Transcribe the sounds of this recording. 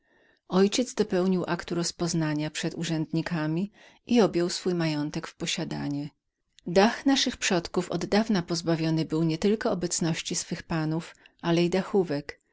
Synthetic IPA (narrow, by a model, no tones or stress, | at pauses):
ɔjt͡ɕɛd̪zd̪ɔpɛwɲiwʔakt̪uɾɔspɔznaɲapʂɛt̪uʐɛnd̪ɲikamʲi | ʔiɔbʲjɔwsfujmajɔnt̪ɛkfpɔɕad̪a̰ɲɛ | d̪axnaʂɘxpʂɔt̪kufɔ̰d̪ːavnapɔzbavʲjɔnɘbɘwɲɛt̪ɘlkɔːbɛt̪snɔɕt͡ɕisfɘxpanuf | ʔalɛid̪axuvɛk